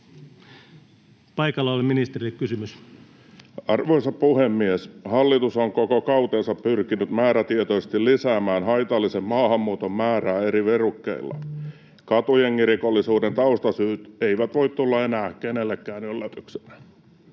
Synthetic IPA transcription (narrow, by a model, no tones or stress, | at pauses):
pɑikɑlːɑoliminist̪erikkysymys | ɑrʋoisɑppuhemːieshɑlːit̪usoŋkokokɑut̪eːnsɑppyrkinyt̪mæːɾæt̪iet̪ose̥st̪illisæːmæːnhɑit̪ɑlːisemmɑːhɑmːuːt̪ommæːræːeɾiʋerukːḛilːɑ̰ | kɑt̪ujeŋkirikolːisuːdent̪ɑust̪ɑsyːt̪eiʋæt̪ʋoit̪t̪ulːɑenæːkenelːekːæːnølːøpyksenæ̥